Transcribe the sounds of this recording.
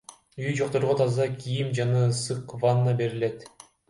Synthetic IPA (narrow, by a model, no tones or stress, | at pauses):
yjd͡ʒo̞q̚t̪o̞ɾʁot̪ʰɑzɑkʰʲijimd͡ʒɑnɑsɯqvanːɑbe̞ɾile̞t̪